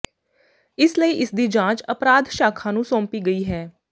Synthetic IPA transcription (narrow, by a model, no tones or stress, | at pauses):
ɪsləiːʔɪsd̪iːd͡ʒãːt͡ʃəpɾaːd̪ʃaːkʰãːnũːsɔ̃ːmpiːɡəiːɦɛː